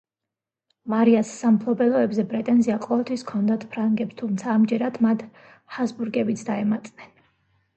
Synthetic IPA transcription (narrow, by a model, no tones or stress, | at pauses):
maɾiasːampʰlˠɔbɛlˠɔɛbzɛpʼɾɛt̪ʼɛnziaqʼɔvɛlˠt̪ʰwiskʰɔnd̪at̪ʰpʰɾaŋɡɛpst̪ʰumt̪sʰaːmd͡ʒɛɾad̪̥mat̪ʰ | hasbuɾɡɛbit̪sʰd̪aɛmat̪ʼnɛn